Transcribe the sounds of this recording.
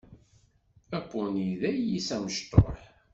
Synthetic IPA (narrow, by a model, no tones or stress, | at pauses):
ækʷːʊniðæjisæməʃt̪ˤo̰ħ